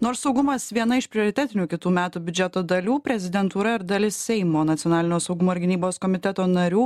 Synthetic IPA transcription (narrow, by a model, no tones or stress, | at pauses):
noːɾsːɒʊɡʊmɐsʋʲiɛnɐɪʃpʲɾʲɪoːɾʲɪt̪ʲæːt̪ʲɪnʲuːkʲɪt̪uːmʲæːt̪uːbʲʊd͡ʒʲɛt̪oːd̪ɐlʲuːpʲɾʲɛzʲɪd̪ʲɛnt̪uːɾɐɪɾd̪ɐlʲɪssʲɛɪmoːnɐt̪ʲɪjɔnɑːlʲɪnʲoːsɐʊɡʊmoːɪɾɡʲɪnʲiːboːskɔːmʲɪt̪ʲɛt̪oːnɐɾʲuː